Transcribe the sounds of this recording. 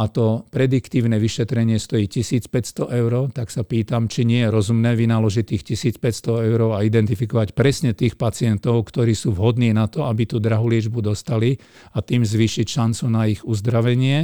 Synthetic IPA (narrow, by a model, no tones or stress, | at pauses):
at̪ɔpɾɛd̪ikt̪iːʊnɛʋiʃɛt̪ɾɛɲɪɛst̪ɔjiːcisiːt͡spɛcst̪ɔʔɛʊɾɔt̪aksapiːt̪amt͡ʃiɲɪɛjɛɾɔzumnɛːʋinalɔʒic̚t̪iːxcisiːt͡spɛcst̪ɔɛʊɾɔʊaid̪ɛnt̪ifikɔʋacpɾɛsɲɛt̪iːxpat͡sɪɛnt̪ɔʊkt̪ɔɾiːsuːʋɦɔd̪niːnat̪ɔabit̪uːd̪ɾaɦulɪɛd͡ʒbud̪ɔst̪ali | at̪iːmzʋiːʃicʃant͡sunaiɣuzd̪ɾaʋɛɲɪɛ